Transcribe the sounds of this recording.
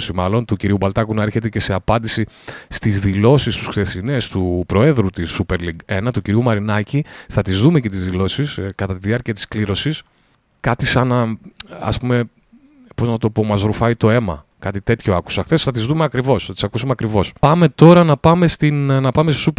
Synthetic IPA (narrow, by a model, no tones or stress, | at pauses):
simɐlo̞nt̪uciɾiubɐlt̪ɐkunɐe̞ɾçe̞t̪e̞cese̞ɐpɐnd̪isi | st̪izðilo̞sist̪usxt̪e̞sinest̪upɾo̞e̞ðɾut̪isupe̞ɾliɡe̞nɐt̪uciɾiumɐɾinɐciθɐt̪izðume̞cet̪izðilo̞siskɐt̪ɐt̪iðiɐɾciɐt̪i̥skliɾo̞sis | kɐt̪isɐnɐɐ̰spume̞ | po̞znɐt̪o̞po̞mɐzɾufɐit̪o̞e̞mɐ̰ | kɐt̪it̪e̞t̪ço̞ɐku̥sɐxθe̞sθɐt̪izðumeɐkɾivo̞sθɐt̪isɐkusumeɐkɾivo̞spɐme̞t̪o̞ɾɐnɐpɐme̞st̪innɐpɐmest̪osup